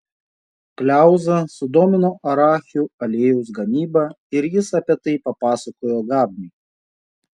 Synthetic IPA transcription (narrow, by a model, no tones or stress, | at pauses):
pʲlʲæˑʊzɐsʊd̪oːmʲɪnoːʔɐɾɑːxʲuɐlʲeːjuʊs̬ɡɐmʲiːbɐ | ɪɾjɪsɐpʲiɛt̪ɐɪpɐpɑːsɐkoːjoːɡɑːbʲnʲɛɪ